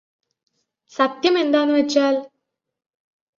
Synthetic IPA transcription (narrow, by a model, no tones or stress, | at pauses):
sɐt̪jɐme̞nd̪aːnːɨʋɐt͡ɕːaːl